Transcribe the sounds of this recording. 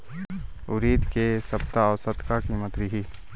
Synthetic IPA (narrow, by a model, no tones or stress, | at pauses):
ʊɾiːd̪kesɐbt̪aɔːsət̪kakiːmət̪ɾɪɦiː